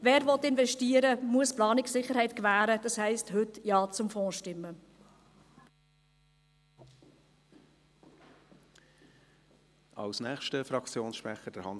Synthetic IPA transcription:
vɛːɾvɔt̪ɪnvɛʃtiːəɾəmuəsplɑːnɪksɪχəɾhɛɪtkvæːɾəd̥ɑshɛɪsthʏtjɑːt͡sʊmfɔ̃ːʃtɪmːə | ʔɑ̰lsnɛːχʃtəfɾɑkt͡sjoːnsʃpɾɛχəd̥ɛɾhɑn

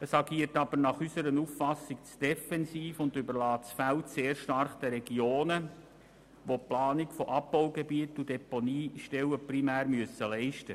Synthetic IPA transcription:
əsɑɡiːəɾtɑb̥əɾnɑχysəɾənuffɑsːɪk̚t͡sd̥ɛfɛnsiːfʊndʏbəɾlɑːtsfæltseːɾʃtɑrχd̥ɛɾɛɡioːnə | ʋoplɑːnikfɔʔɑbːaʊɡebiətud̥ɛponiːʃtɛlwəprimæːɾmyəsəlɛɪʃtə

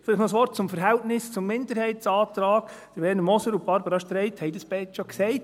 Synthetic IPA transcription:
fɪlɪχxnɔsʋɔrt̚t͡sʊmfəɾɦɛltnɪst͡sʊmːɪndəɾhɛɪtsɑːtɾɑːɡ̥d̥əɾbɛːnəmɔsəɾʊb̥ɑɾbəɾɑʃtɾɛɪthɛjdɑsb̥ɛtʃɔksɛɪt

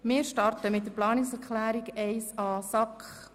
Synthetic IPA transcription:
mɪːɾʃtɑrtəmɪt̚dəɾplɑːnɪksɛɾkʰlæːɾiɡɛɪsɑsɑkχ

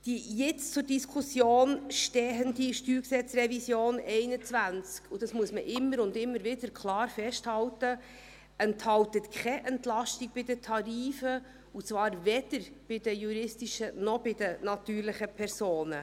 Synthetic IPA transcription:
d̥ijɛt͡st͡sʊɾdiskʰusjoːnʃtɛːɦəndiʃtyːksɛt͡srɛvisjoːnɛɪnət͡svænt͡skud̥ɑsmuəsməʔɪmːəɾʊndɪmːəɾʋɪd̥əɾkʰlɑːɾfɛʃthɑltə | ɛnthɑltətkʰχɛʔɛntlɑʃtɪɡ̚b̥ɪd̥ətʰɑɾiːfə | ut͡svɑːɾvɛd̥əɾb̥ɪd̥əjuɾɪstiʃənɔb̥ɪd̥ənɑtyːɾlɪχəpʰɛɾsoːnə

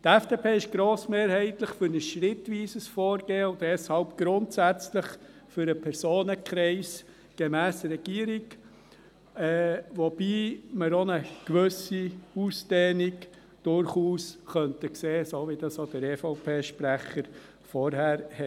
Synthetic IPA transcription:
t̪ɛfd̥eːpʰeːɪʃɡ̥ɾoːsmeːɾhɛɪt̪ləχfʏɾnəsʃɾɪtʋiːsəsfɔːɾɡ̥eːʊddɛshɑlpɡ̥ɾʊntsæt͡sləχ | fʏɾəpʰɛɾsoːnəkχɾɛɪs | ɡ̥ɛmæːsɾɛɡ̥iːəɾiɡ | ɛːʋɔb̥iːməɾonəkʋɵsiuːsd̥ɛːniɡ | d̥ʊɾχuːsχœntəkseːsoʋid̥ɑsodəɾeːfɔʊpʰeːʃpɾæχəɾ | fɔɾhæːɾhɛ

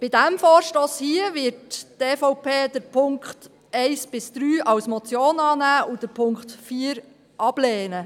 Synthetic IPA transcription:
b̥ɪdæmfɔːɾʃtoːshiəʋɪɾtteːfɔʊpʰeːd̥əɾpʰʊŋkχt | ɛɪsb̥ɪsd̪̥ɾyːʔɑwsmɔt͡sjoːnɑːnæːud̥əɾpʰʊŋkχtfiːɾ | ʔɑb̥leːnə

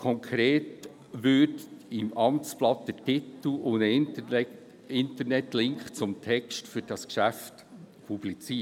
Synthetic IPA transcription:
kʰɔŋkʰɾeːt | ʋʏɾdɪmɑmt͡splɑt̪d̪̥ətɪt̪l̩onə | ɪnt̪əɾnɛtlɪŋkχt͡sʊmt̪ʰɛkʃtfyɾd̥ɑskʃæft | pʰub̥lit͡siː

